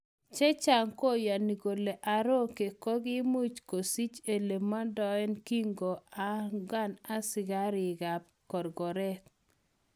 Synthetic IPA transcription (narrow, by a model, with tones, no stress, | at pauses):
t͡ʃɛ˦t͡ʃa˨ŋko˦ja˨ni˨ɡo˨le˨ʔa˨ɾo˦ke˨kɔ˦ɡɪ˦mu˦t͡ʃko˨si˦t͡ʃe˨le˨ma˦dɔ˦ɛ˦nki˦ŋɡo˨a˦ɡa˦na˦sɪ˨ɡa˦ɾɪ˨ɡa˨p̚ | kɔ˨ɾɡɔ˨ɾɛ˦k